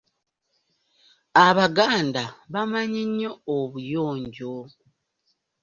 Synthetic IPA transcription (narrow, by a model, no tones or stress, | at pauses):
aβaɡaːndaβamaɲiɲːo̞ːβujoːɲɟo